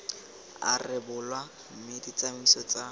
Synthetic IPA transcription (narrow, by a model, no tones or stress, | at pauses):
a̰rɪbʊlwa | m̩mɪdit͡sʼamisɔt͡sʼa